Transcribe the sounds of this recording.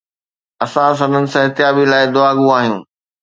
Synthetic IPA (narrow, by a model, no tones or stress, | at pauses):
ɐsãs̬ɐ̃nənɪ̆sãɪɦt̪jaːbilaːɪd̪ʊaːɡũaːɦijũː